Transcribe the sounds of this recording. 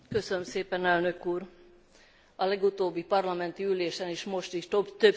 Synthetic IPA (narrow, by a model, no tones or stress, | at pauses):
kø̞sønømseːpɛnɛlnø̞kuːr | ɒlɛɡut̪oːbːipɒrlɒmɛnt̪iyleːʃɛniːʃmo̞ʃt̪iʃt̪øbt̪øb